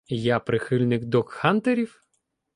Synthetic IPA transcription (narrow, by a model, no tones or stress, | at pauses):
japɾɪxɪlʲnɪkd̪ɔkhɑnt̪eɾʲiw